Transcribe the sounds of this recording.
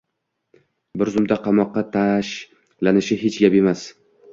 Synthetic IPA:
bɪɾzʊmd̪aqʰɑmɒqːɑt̪ʰaʃ | lanɪʃɪɦet͡ʃʰɡape̞mas

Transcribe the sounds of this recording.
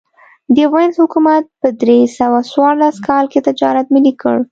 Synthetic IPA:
d̪əɣanzhʊkumat̪̚pəd̪ɾesawaswɑɾlaskɑlket̪ɪd͡ʒɑɾat̪̚mɪlikə̰ɽ

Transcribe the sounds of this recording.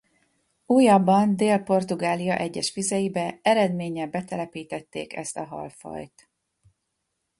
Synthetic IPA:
uːjɒbːɒnd̪eːlpo̞rt̪uɡaːlijɒ̰ʔɛɟːɛʃfizɛjibɛɛɾɛd̪meːɲɛbɛt̪ɛlɛpiːt̪ɛt̪ːḛːkɛ̰st̪ɒɦɒ̰lfɒ̰jt̪

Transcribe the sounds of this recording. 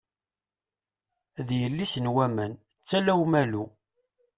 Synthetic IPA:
ðjəlːisənwæmən | t͡sːælæwmælu

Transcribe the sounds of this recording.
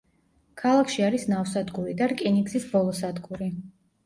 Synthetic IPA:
kʰalˠakʰʃiaɾisnafsad̪ɡuɾid̪aɾkʼiniɡzisbɔlˠɔsad̪ɡuɾi

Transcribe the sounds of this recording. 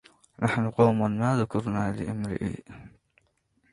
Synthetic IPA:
nʔaħnʊqɑwmanmaːðʊkʰʊɾnaːlɪʔamɾɪ̰ʔḭ

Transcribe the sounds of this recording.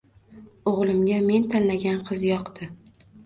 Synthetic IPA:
oʁlˠɪmɡʲame̞nt̪ʰanlaɡʲanqʰɨzjɒqt̪ʰɪ

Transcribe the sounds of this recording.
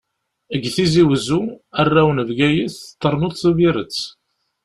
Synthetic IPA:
əɡθiziwəzuærːæwənəvɡæjiθt̪ˤːəɾˤnut̪θuviɾət͡sː

